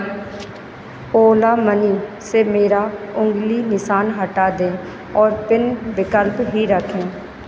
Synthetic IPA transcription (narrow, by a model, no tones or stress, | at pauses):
oːlaːməniːseːmeːɾaːʊŋɡliːnɪsaːnɦəʈaːd̪ẽː | ɔːɾpɪnbɪkəlpɦiːɾəkʰːẽː